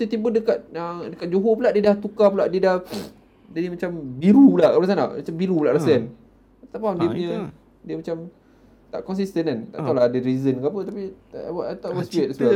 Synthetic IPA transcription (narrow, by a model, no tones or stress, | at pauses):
sit̪ibədəkat̪̚ədəkat̪̚d͡ʒoɦop̬ulaʔdiədaht̪ukapulaʔdiədah | dənimat͡ʃambiɾulaʔbɾas̬ana̰ʔmat͡ʃambiɾulaʔɾasan | apit̪apadiəpuɲɲə̃ | diəmat͡ʃam | t̪a̰ʔkɔnsist̪ənant̪aʔt̪awlahadəɾizənkapət̪apiʔwat̪aʔwɔspiet̚asla